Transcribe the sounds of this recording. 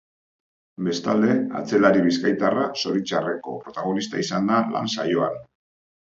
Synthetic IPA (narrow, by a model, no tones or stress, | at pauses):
be̞st̪ald̪e̞a̰t͡se̞laɾiβiskajt̪araso̞ɾit͡ʃare̞ko̞̰pɾo̞t̪aɣ̞o̞nist̪aisand̪ala̰nsa̰jo̞an